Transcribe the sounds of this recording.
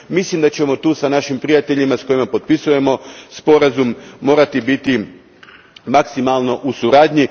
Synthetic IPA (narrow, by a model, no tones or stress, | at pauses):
mislimd̪at͡ɕe̞mo̞t̪uːsanaʃimpɾijat̪e̞ʎimasko̞jimapo̞t̪̚pisuje̞mo̞spo̞ɾazumːo̞ːɾat̪ibit̪i | maksimalˠno̞ʔusuɾaːd̪ɲi